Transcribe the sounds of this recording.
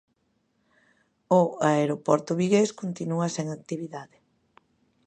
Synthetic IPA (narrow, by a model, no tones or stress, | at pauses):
ʊaeɾopɔɾt̪ʊβiɣeskont̪inuaseŋak̚t̪iβiðaðɪ